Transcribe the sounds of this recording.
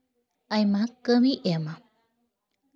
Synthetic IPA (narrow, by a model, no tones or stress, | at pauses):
ajmãkəmĩʔema